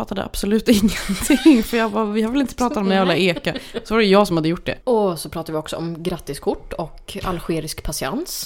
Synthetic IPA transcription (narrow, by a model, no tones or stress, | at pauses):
fat̪ːad̪ə̰ʔa̰b̥sɔlʉ̟ːt̪ɪŋːənt̪ʰɪŋfœjɑːvavɪhaɾvɪlɪnt̪əpʰɾɑːt̪at̪ɔmnɛjɪlaeːkasɔvaɾɛjʊjɑːɡsɔmhad̪ːəjʊʈːd̪ɛ̰ɔsɔpʰɾɑːt̪ad̪əvɪɔksɔɔmɡɾat̪ːɪskʰʊʈːɔkka̰lɧeːɾɪskpʰasɪa̰ns